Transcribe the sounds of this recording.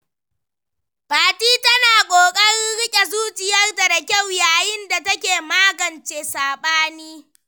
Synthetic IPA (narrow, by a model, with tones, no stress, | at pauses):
baː˨tiː˦tɐ˦naː˨kʷʼoː˨kʼɐ˦ɽɪ˦ɽɪ˦kʲʼe˨zuː˦t͡ʃʼɪ˨jɐ˦rda˨da˨kʲa˦˨wjaː˨jɪ˦nda˨tɐ˦kʲeː˨maː˦ɡɐ˨nt͡ʃeː˨saː˨ɓaː˦niː˦